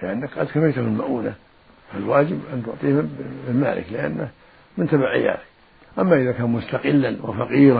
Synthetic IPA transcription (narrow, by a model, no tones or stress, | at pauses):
lɪʔanːakqɑd̪kafɪjt̪ʊhɪlmaʔuːna | falwaːd͡ʒɪbʔant̪ʊʕt̪ˤiːhɪma̰ːlɪ̰klɪʔa̰nːɪ | mɪnt̪abaʕʔɪ̰jːa̰ːd̪ɪk | ʔamːaʔɪðakaːnmʊst̪ɑqɪlːanwɪ̰fɑqiːɾ